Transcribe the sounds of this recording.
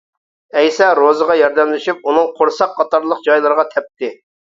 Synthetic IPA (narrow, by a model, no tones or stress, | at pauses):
ɛjsɑɾozəʁɑjɑɾd̪ɛmlɪʃyp̚unɨŋqʰoɾsɑqʰːɑt̪ɑɾlˠəq̚d͡ʒɑjlˠɨɾəʁɑt̪ʰɛp̚t̪ɪ